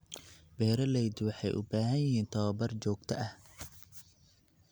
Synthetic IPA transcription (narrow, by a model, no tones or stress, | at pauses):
bɛːɾɐlɛjd̪wɑħɑjʔʊ̰baːɦɐjɪɦiːnt̪ʰɐwɐbɐrt͡ʃɔːɡt̪ʰɐʔɐh